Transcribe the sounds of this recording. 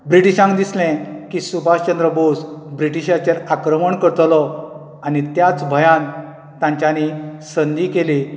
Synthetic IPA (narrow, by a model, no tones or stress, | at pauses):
bɾiʈiɕãŋɡd̪islɛ̃kiːsubʱaɕt͡ɕənd̪ɾəbosbɾiʈiɕat͡ɕeɾakɾəməɳkəɾt̪lɔ | anit̪jat͡sbʱəjan | t̪ãɲt͡ɕjanisənd̪iːkeli